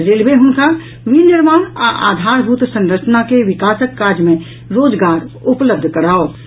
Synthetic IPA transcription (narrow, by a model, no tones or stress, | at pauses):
ɾelbeɦʊnka | ʋinɪɾmaːnaʔa̰ːd̪ʱaːɾbʱuːt̪sə̃ŋɾət͡ʃnakeʋɪkaːsəkːaːɾdjmẽ | ɾoːd͡ʒɡaːɾʊpləb̚d̪ʱkəɾaːo